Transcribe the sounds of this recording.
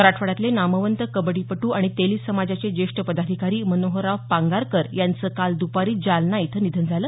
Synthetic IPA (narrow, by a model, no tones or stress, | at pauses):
əɾaʈʰfəɽat̪lenaməʋənt̪əkəbəɽiːpəʈuːaɽ̃it̪eliːsəmad͡zat͡ɕed͡ʑeʂʈəpəd̪ad̪ʱikaɾiːmənoɦəɾaʋpaŋɡaɾkəɾjant͡səːkald̪upaɾiːd͡zalnait̪ʰənid̪ʱənd͡zʱaləː